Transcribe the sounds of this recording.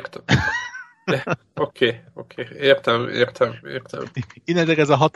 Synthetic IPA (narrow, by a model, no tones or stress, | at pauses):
rt̪ | okʰeːokʰeːeːrt̪ɛmḛːrt̪ʰɛmḛːrt̪ɛ̰menɛzɛkɛzɒɦɒt̪